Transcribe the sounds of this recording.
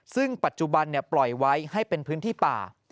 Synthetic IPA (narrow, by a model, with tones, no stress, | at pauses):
sɯ˥˩ŋpa˨˩t̪̚t͡ɕu˨˩ba˧nːi˥˩əplɔ˨˩jwa˦˥jha˥˩jpe˧npʰɯː˦˥nt̪ʰiː˥˩pa̰ː˨˩